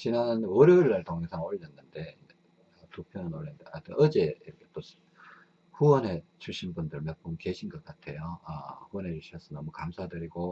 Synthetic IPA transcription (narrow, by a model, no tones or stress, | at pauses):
t͡ɕinannoɾeːɭːaɭtoŋesʰaŋoɭːʌnːɯnde̞ | topʰjoanoɾendeatoʔʌd͡ʑeiɾʌkʰe̞̥t͈o | ɸuwʌne̞t͡ɕuɕʰinbundɯɭmep͈umke̞ɕʰinɡʌt̚k͈atʰe̞joʌ̰ɸuʌne̞d͡ʑuɭɕʰiʌs͈ʰʌnʌmukamsʰadɯɾiɡo